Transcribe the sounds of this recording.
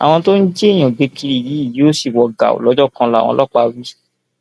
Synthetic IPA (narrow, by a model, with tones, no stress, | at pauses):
a̰˨w̃ɔ̃˧to˦n̩˦d͡ʒe˦i˦˨j̃ã˨ɡ͡be˨˧ki˧ɾi˦˨ji˨˦i˦˨ji˨˦o˦si˦˨wɔ˨ɡa̰˨o̰˨lɔ˨˦d͡ʒɔ˦˨kã˧la˦˨wɔ̰̃˧lʔɔ˦k͡pa˧wi˦